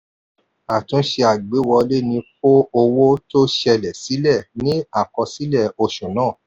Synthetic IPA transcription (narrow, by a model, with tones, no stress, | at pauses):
a˨tũ˨˦ʃe˧a˨ɡ͡be˨˦wɔ˧le˦nĩ˧fo˦o˧wo˦to˦ʃɛ˧lɛ˨si˨˦lɛ˦˨nĩ˦a˦˨kɔ˧si˨˦lɛ˦˨o˧ʃũ˨nãː˦˨